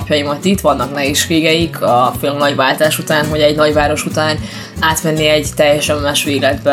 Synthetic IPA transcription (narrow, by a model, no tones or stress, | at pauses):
pjɒjimɒt̪it̪ʋɒnːɒknɛɦeːʃʋeːɡɛjikʰɒfølknɒɟʋaːlt̪aːʃut̪aːnvoɟɛɟnɒɟʋaːɾo̞ʃut̪aːn | aːt̪mɛnːiɛɟt̪ɛjːɛʃɛmːaːʃʋeːɡlɛd̪bɛ